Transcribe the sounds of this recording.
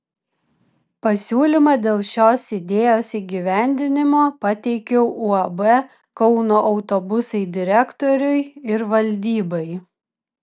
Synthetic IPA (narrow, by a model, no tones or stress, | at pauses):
pɐsʲuːlʲɪmɐd̪ʲeːlˠʃʲoːsɪd̪ʲeːjoːsiːɡʲiʋʲæˑnʲd̪ʲɪnʲɪmoːpɐt̪ʲɛɪkʲɛʊʔʊɐbɛ | kɒʊnoːʔɒʊt̪obʊsɐɪd̪ʲɪɾʲɛkt̪oːɾʲʊɪɪɾʋɐlʲd̪ʲiːbɐɪ